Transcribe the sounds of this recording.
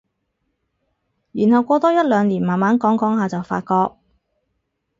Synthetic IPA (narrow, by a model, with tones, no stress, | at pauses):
jyː˨˩nɦɐ˨wkʷɔː˧t̪ɔː˥jɐ˥t̚lœː˨˧ŋliː˨˩nmaː˨˩nmaː˨˥nkɔː˨˥ŋkɔː˨˥ŋɦaː˨˧t͡sɐ˨wfa̰ː˧t̚kɔː˧k̚